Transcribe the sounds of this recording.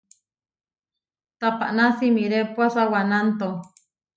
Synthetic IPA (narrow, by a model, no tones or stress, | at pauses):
t̪apa̰ʔnasimiɾepwasawanant̪o